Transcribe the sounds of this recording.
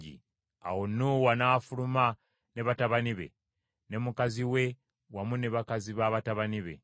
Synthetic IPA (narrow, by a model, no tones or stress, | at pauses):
ḭ | a̰wonːuwanafuluma | ne̞βataβaniβe̞̰ | ne̞mukaziwe̞ | wamuneβakaziβaβataβaniβe̞̰